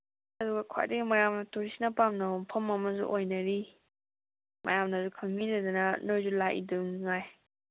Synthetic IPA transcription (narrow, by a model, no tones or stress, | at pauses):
ɐduɡɐkʰa̰diɡimɐjamnɐtuɾisinapamnɐmpʰɐmɐmɐzṵʔojnɐɾi | mɐ̰jamnazukʰɐŋːidadanɐnojzulaʔḭdɯŋŋaj